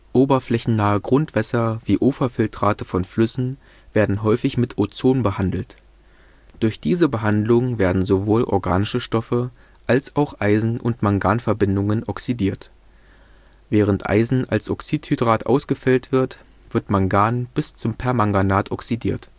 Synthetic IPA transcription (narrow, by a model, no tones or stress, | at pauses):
ʔoːbɐflɛçn̩naːəɡʁʊntv̥ɛsɐv̥iːʔoːfɐfɪltʁ̥aːtəfɔnflʏsn̩ | v̥eːɐdn̩ɦɔʏfɪçmɪtʰot͡soːnbəhandl̩t | d̥ʊɐçd̥iːzəbəɦandlʊŋveːɐdn̩zovoːlʔɔ̰ɐɡaːnɪʃəʃtɔfə | ʔalsaʊxʔaɪzn̩ʔʊ̰ntmaŋɡaːnfɛɐbɪndʊŋənʔɔksidiːɐt | v̥ɛːʁ̞əntʔa̰ɪzn̩a̰lsʔɔksiːthydʁaːtʔa̰ʊsɡ̥əfɛltv̥ɪɐt | v̥ɪɐtmaŋɡaːnb̥ɪst͡sʊmpʰɛɐmaŋɡanaːtʰɔksidiːɐt